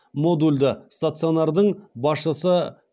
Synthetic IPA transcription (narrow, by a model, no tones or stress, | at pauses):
mo̞d̪ulʲd̪əst̪at̪sɨonɑɾd̪əɴbɑsʃəsə